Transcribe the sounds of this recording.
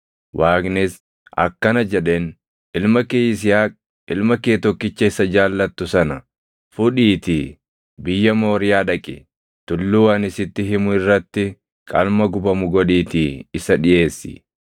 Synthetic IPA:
wʔaːknɪs | ʔɐ̰kːɐnɐd͡ʒɛᶑe̞ːn | ʔɪlmɐkeːjɪs̬ɪjaːkʼ | ʔɪlmɐkeːt̪ɔkːɪt͡ʃːɐɪsɐd͡ʒaːlːɐt̪ːʊsɐnɐ | fʊᶑiːt̪i | bɪjːɐmo̞ːɾɪjaːᶑɐkʼɪ̰ | t̪ʊlːuːɐnɪsɪt̪ːɪɦɪmʊɪrːɐt̪ːɪ | kʼɐlmɐɡʊbɐmʊɡɔᶑiːt̪iːɪsɐᶑɪje̞ːsːɪ̰

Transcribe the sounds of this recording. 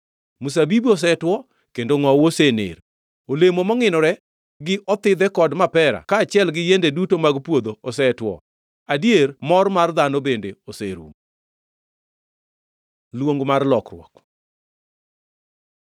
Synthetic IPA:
mus̬abibiɔs̬ɛtwɔ | kendoŋɔwosenḛɾ | olemomɔŋɪnɔɾɛ | ɡɪʔɔt̪ɪd̪ɛkɔdmapɛɾa̰kaːt͡ʃjɛlɡɪjendedutomaɡpwod̪oɔsɛtwɔ̰ | adijermɔrmard̪anobendeoseɾṵm | lwoŋɡmarlɔkrwɔ̰k

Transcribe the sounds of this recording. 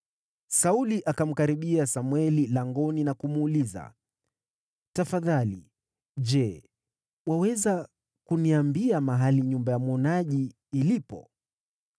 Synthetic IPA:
sauliʔakam̩kaɾiɓiasamwɛlilaŋɡɔninakumːliza̰ | tafaðalḭ | ʄɛ | wawɛza | kuniambiamaɦaliɲumbajamwɔnaʄiː | lipɔ̰

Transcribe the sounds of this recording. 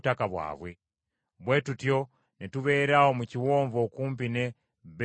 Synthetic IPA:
takaβwa̰ːβwe | βwe̞tutjo̞ | netuβeɾahomuciwoːɱvokuːmp̬ine | β

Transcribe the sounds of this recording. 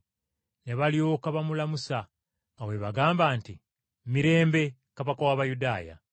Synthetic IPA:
neβalijokaβamulamusaː | we̞βaɡaːmbaːnti | miɾe̞ːmbe̞ | kaβakawaβajudaːja̰

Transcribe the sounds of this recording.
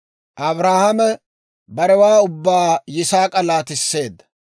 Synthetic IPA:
ʔɐbɾaːhɐmɛ | bɐɾɛwaːʊbːaːjɪsaːkʼɐlaːt̪ɪsːe̞ːd̪ːɐ̥

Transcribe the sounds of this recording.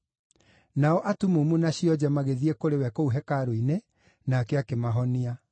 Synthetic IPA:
naɔʔatumumunaɕiɔd͡ʑɛmaɣeðiekoɾewɛkouɦɛkaɾoine | naːkɛakemaɦɔnia

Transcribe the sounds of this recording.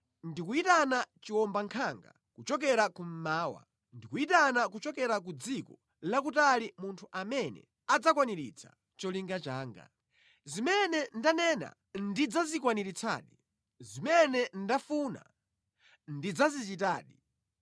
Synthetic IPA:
ndikuitanat͡ʃiwɔmbaŋkʰaŋɡa̰ | kut͡ʃɔk̬ɛɾakum̩maːwa̰ | ndikuitanakut͡ʃɔkɛɾak̬ud͡zikɔ | lak̬utalimuntʰuʔamɛnɛ̰ | ad͡zakwaniɾḭt͡sʰa̰ | t͡ʃɔliŋɡat͡ʃaːŋɡa̰ | zimɛnɛndanɛna̰ | ndid͡zazikwaniɾit͡sʰa̰ːɗi | zimɛnɛndafuːna̰ | ndid͡zazit͡ʃita̰ːɗi

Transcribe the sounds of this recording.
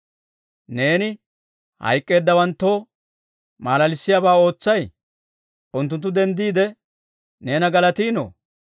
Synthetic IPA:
ne̞ːnɪ | hɐ̰jkʼːe̞ːd̪ːɐwɐnt̪ːoː | maːlɐlɪsːɪjaːbaːo̞ːt͡sːɐj | ʔʊnt̪̬ːʊnt̪ːʊd̪ɛnd̪iːd̪ɛ | ne̞ːnɐɡɐlɐt̪iːno̰ː

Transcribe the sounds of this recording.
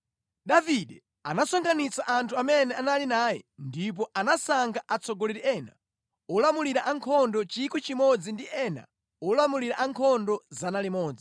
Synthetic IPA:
ɗaviɗɛ | anasɔŋkʰanit͡saʔantʰuamɛnɛanalinaːjɛ̰ndip̬ɔʔanasaŋɡʰaʔat͡sɔɡɔliɾiɛːna̰ | ɔlamuliɾaʔaŋkʰɔndɔt͡ʃikut͡ʃimɔd͡zindiɛːna̰ | ɔlamuliɾaʔaŋkʰɔndɔzanalimɔːd͡zi

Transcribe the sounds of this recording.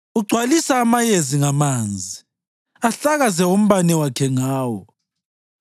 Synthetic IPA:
uɡ͡ǀʱwalisaːmajeziŋamaːnd͡zʱi | aɬaɣazɛwom̩βanɛwakʰɛŋaːwɔ

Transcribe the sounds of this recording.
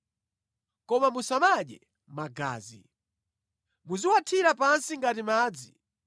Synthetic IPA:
kɔmamusamaɗɛ | maɡa̰ːzi | muziwatʰiɾapansiŋɡatimaːd͡zi

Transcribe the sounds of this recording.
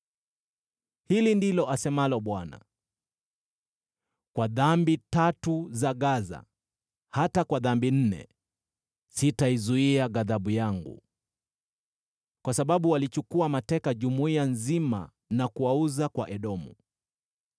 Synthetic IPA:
hilindilɔʔasɛmalɔɓwana̰ | kwaðambitatuzaɣaza̰ | hatakwaðambin̩nɛ̰ | sitaizuiaɣaðaɓujaŋɡṵ | kwasaɓaɓuwalit͡ʃukuamatɛkaʄumuianzima̰ | nakuauzakwaʔɛɗɔmu

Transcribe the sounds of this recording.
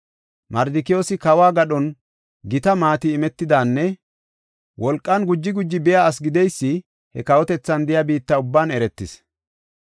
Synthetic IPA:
mɐɾd̪ɪkɪjoːsɪkɐwaːɡɐɗɔn | ɡɪt̪ɐmaːt̪ɪːmɛt̪ːɪd̪aːnːɛ | wʔɔlkʼːɐnɡʊd͡ʒːɪɡʊd͡ʒːɪbɪjaːs̬ɡɪd̪ɛjsːɪ | hɛkɐwɔt̪ɛt͡sːɐnd̪ɪjabiːt̪ːɐʊbːaːnɛɾɛt̪ːɪs

